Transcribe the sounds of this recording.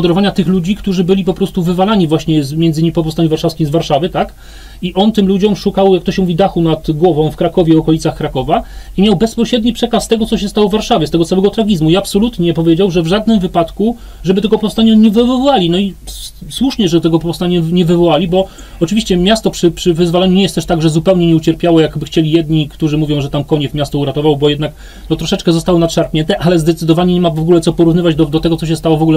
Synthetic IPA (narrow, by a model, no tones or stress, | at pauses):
d̪ɛɾɔvaɲat̪ɘxlud͡ʑikt̪uʐɘbɘlʲipɔpɾɔst̪uvɘvalaɲivwaɕɲɛzmjɛnzɘɲimipɔp̬ɔfst̪aɲuvaɾʂafskʲizvaɾʂavɘt̪ak | iʔɔnt̪ɘmlud͡ʑɔmʂukawjakt̪ɔɕɛmuvʲid̪axunad̪ɡwɔvɔ̃w̃fkɾakɔvʲjɛɔkɔlʲit̪saxkɾakɔvaimʲjawbɛspɔɕɾɛd̪ɲipʂɛkast̪ɛɡɔt̪sɔɕ̬ɛst̪awɔvːaɾʂavʲjɛst̪ɛɡɔt̪sawɛɡɔt̪ɾaɡʲizmuiapsɔlut̪ɲɛɛpɔvʲjed͡ʑawʐɛvʐad̪nɘmvɘpat̪ku | ʐɛbɘt̪ɛɡɔpɔfst̪aɲaɲɛvɪvvɔwalʲinɔiswuʂɲɛʐɛd̪t̪ɛɡɔpɔfst̪aɲaɲɛvɘvɔwalʲibɔ | ɔt͡ʂɘvʲiɕt͡ɕɛmʲjast̪ɔpʂɘpʂɘvɘzvɔlɛɲuɲɛjɛst̪ɛʂt̪aɡʐɛzupɛwɲɛɲɛut͡ɕɛɾpʲjawɔjakbɘxt͡ɕelʲijɛd̪ɲikt̪uʐɘmuvʲjɔ̃w̃ʐɛt̪amkɔɲɛfmʲjast̪ɔuɾat̪ɔvawbɔjɛd̪nak | nɔt̪ɾɔʂɛt͡ʂkɛzɔst̪awɔnat̪ʂaɾpɲɛnt̪ɛʔalɛzd̪ɛt̪sɘd̪ɔvaɲɛɲɛmavɔɡulɛt̪sɔpɔɾuvnɘvad͡ʑd̪ɔd̪ɔt̪ɛɡɔtsɔɕ̬ɛst̪awɔvɔɡulɛ